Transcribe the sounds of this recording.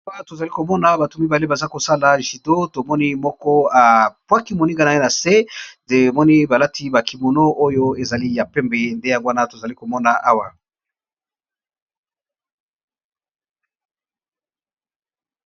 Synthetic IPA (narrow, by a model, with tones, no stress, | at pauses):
a˦to˨za˨li˦ko˨mɔ˦na˨ba˨to˨mi˦ba˨le˦ba˨za˦ko˨sa˦la˨ʒi˨do˦to˨mɔ˦ni˦mɔ˦kɔ˦a˨pwa˦ki˦mo˨ni˦ŋɡa˦na˨e˦na˨se˦e˨mɔ˦ni˦ba˨la˦tʰi˦ba˨ki˨mo˨no˦ʔo˦jo˦e˨za˨li˦ja˨pɛ˦mbe˨nde˦ja˨ɡwa˦na˦to˨za˨li˦ko˨mɔ˦na˨ʔa˦wa˨